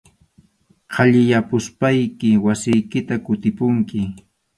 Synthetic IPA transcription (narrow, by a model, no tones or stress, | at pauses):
qʰɑʎɪjapʊspajkɪwasɪjkɪt̪akʊt̪ɪpʊŋkɪ